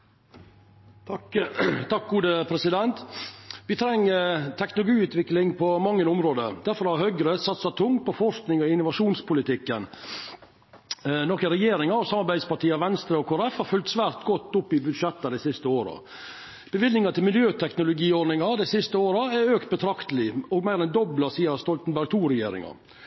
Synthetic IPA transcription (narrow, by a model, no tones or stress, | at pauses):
t̪ʰɑk̚ɡuːd̪əpʰɾɛsɪd̪ɛnt̪ʋɪt̪ʰɾɛŋːət̪ʰɛknʊlʊɡiːʉːt̪ʋɪklɪŋpʰɔmɑŋːənʊmɾoːd̪əɾd̪æɾfɔɾhɑɾhœʏɡɾəsɑt̪sɑt̪ʰʊŋpɔfɔɾʂknɪŋɔɪnːʊʋɑʂuːnspʰʊlɪt̪ɪkːən | nɔɾkəɾɛjeːɾɪŋɑɾɔsɑmːɑɾbæɪd̪spɑʈiːɑʋɛnst̪ɾəɔkʰoːɾɛfhɑɾfʉlt̪sʋæːɾt̪ɡɔt̪ːʊpːɪbʉd̪ʂɛt̪ːɑd̪ɛɪsɪst̪əoːɾə̰ | b̥əʋɪlnɪŋɑt̪ʰɪlmɪljøːt̪ʰɛknʊlʊɡiːɔɾnɪŋɑd̪æɪsɪst̪əoːɾɑæɾøːkt̪̚bət̪ʰɾɑkt̪əlɪɔɡmæɪɾɛnd̪ɔbləsiːəɾst̪ɔlt̪n̩bæɾɡ̚t̪ʰuːɾɛjḛːɾɪ̰ŋɑ̰